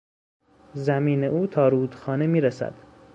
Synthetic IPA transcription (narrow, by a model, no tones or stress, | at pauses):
zæmiːneʔuːt̪ʰɒːɾuːd̪̥xɒːnemiːɾæsæ̰d̪̥